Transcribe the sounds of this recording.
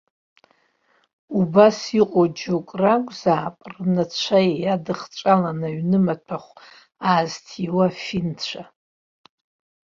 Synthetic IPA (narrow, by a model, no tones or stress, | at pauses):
ubasiqʼod͡ʒokʼraɡʷʼzaːpʼrnat͡ɕʷʰajadɨχt͡ʃʷʼalanaɥnɨmatʰaχʷ | aːztʰiwafint͡ʃʷʰa